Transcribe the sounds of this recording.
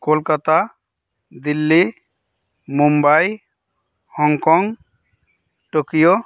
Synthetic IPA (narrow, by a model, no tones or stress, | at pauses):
kolkat̪a | d̪ilːi | mumbaj | hɔŋkɔŋ | ʈokijo